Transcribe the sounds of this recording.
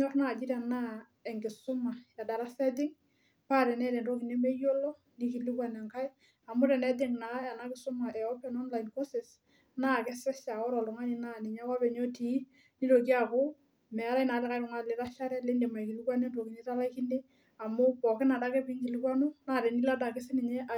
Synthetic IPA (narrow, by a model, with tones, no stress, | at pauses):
ɲɔ˦rna˦˨d͡ʒɪ˦ɾa˨na˦ | ɛ˨ŋɡɪ˨sʊ˦ma˨ɛ˨da˨ɾa˦sɛ˦d̬ɪ˦ŋ | pa˦ɾɛ˨nɛ˦ɾɛ˨nɾo˦kɪ˨ne˦me˦jo˦lɔ˦ | nɪ˦kɪ˨lɪ˦kwa˦nɛ˨ŋka˦ɪ˦ | a˨mʊ˦ɾɛ˨nɛ˦de˦ŋna˨˦a˨na˦kɪ˨sʊ˦ma˨ʔɛ˨ɔ˦pɛ˨nɔ˦nla˨ɪnko˦sɪ˨s | na˦˨kɪ˦sɪ˦sa˨ɔ˦ɾɔ˨lʊ˨ŋa˦ɲɪ˦na˦nɪ˨ɲa˦wa˦pɛ˨ɲo˦ti˨˦ | nɪ˦ɾo˨k̬i˦a˦kʊ˦ | mɛ˨a˦ɾa˦ɪ˦na˨lɪ˦ka˦ɪ˦ɾʊ˨ŋa˦lɪ˨ɾa˦ʃa˦ɾɛ˦le˦nde˨ma˨i˨ki˨lɪ˦kwa˦ne˦ndo˨ki˨ne˦ta˦la˦ki˦nde˦ | a˨mʊ˦pɔ˨kɪ˦na˨da˦kɛ˦pɪ˦ŋɡɪ˨lɪ˦kwa˦no˦na˦˨ɾɛ˨ni˦la˦da˨kɪ˦sɪ˦nɪ˨ɲɛ˦ʔa˨